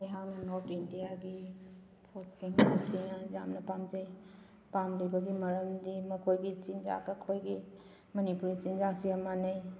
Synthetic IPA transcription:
eɦaŋnɔtindijaɡi | pʰotsiŋpʰasinɐza̰mnɐpamd͡ʒaj | pamlibaɡimɐɾəmdimɐkʰojɡit͡ʃind͡ʒa̰kɐkʰojɡi | mɐnipuɾit͡ʃind͡ʒasijamanaj

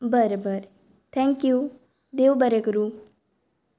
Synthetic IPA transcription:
bəɾobəɾ | t̪ʰɛ̃ŋkju | d̪eʋbəɾekɾu

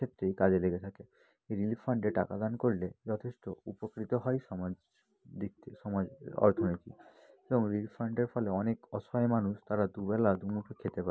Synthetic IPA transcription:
kʰet̪ːɾejkad͡ʒeleɡet̪ʰake | eɾilipʰːɔɳɖeʈa̰kad̪ankoɾiled͡ʒɔt̪ʰesʈɔupɔkɾit̪ɔɦɔjsɔmad͡ʒ | d̪ikt̪ʰsɔmad͡ʒɔ̰ɾt̪ʰɔniʈḭ | ebɔŋɾilipʰːɔɳɖeɾpʰɔleɔnekɔsɔjmanust̪aɾad̪ubɛlad̪unupʰekʰet̪epa

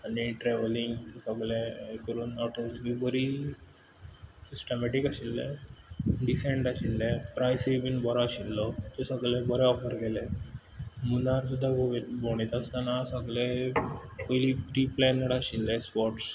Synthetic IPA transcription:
aniʈɾɛʋəliŋɡt̪esəɡlẽekəɾuːnɔʈəsʋibəɾi | sisʈəmɛʈikaɕilːẽ | ɖisẽɳɖaɕilːepɾajsebinbɔɾaɕilːɔt̪esəɡɭɛ̃bəɾɛɔfəɾɡele | munaɾsud̪ʱːaboɽ̃it̪ast̪anasəɡle | pojlipɾiplɛnəɽaɕilːɛ̃spɔʈs

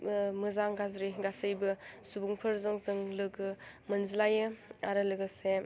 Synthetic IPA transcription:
mɯzaŋɡazɾiɡasɯjbɯsubuŋpʰɯɾzɔŋzɯŋlɯɡɯ | mɯnzilajɯaɾɯlɯɡɯse

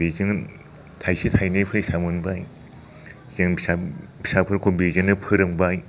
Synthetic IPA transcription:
bezɯŋ | tʰajsitʰajnɯjpʰɯjsamunbaj | zɯŋsabi̥sapʰɯɾkʰobezɯŋnɯpʰɯɾɯŋbaj

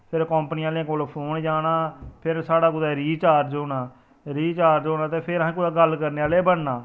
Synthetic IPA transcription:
pʰɪɾkɔ̃ːmpniãːlãːkolpʰoːnd͡ʒaːnaːpʰɪɾsaːɽaːkʊd̪aːɾiːt͡ʃaːɾd͡ʒoːnãː | ɾiːt͡ʃaːɾd͡ʒoːnãːt̪eːpʰɪɾɦãːkʊaːɡəlkəɾneːaːleːbəɽnaː

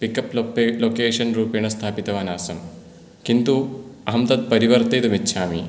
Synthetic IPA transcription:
pikɐploːkeːʂɐnɾuːpejɳɐst̪ʰaːpit̪ɐʋaːnaːsɐm | kint̪uɐɦɐmt̪ɐd̪̚pɐɾiʋɐɾt̪eːt̪umitːʃʰaːmḭ

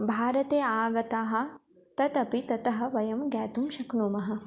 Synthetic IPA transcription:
bʱaːɾɐt̪eːaːɡɐt̪aːɦɐ̆ | t̪ɐt̪ɐpit̪ɐt̪ɐɦɐ̆ʋɐjɐmɡɛːt̪umʃɐknuːmɐɦɐ̆

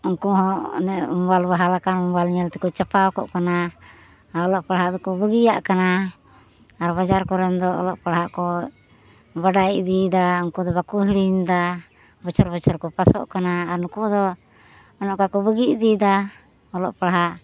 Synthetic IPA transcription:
ɔŋkɔɦɔ̃nɛʔumbalbaɦalakanumbalɲɛlt̪ɛkɔt͡ʃapawkɔʔkana | aɔlɔʔpaɽɦaʔd̪ɔkɔbəɡijaʔkana | aɾbad͡ʒaɾkɔɾɛnd̪ɔɔ̰lɔ̰ʔpaɽɦaʔkɔ | baɖajid̪id̪aɔŋkɔd̪ɔβakuɦiɽiɲd̪a | bɔt͡ʃɔɾbɔt͡ʃɔɾkɔpasɔ̰ʔkanaːɾnukud̪ɔ | ɔnɔʔkakɔbəɡiʔd̪id̪a | ɔlɔʔpaɽɦaʔ

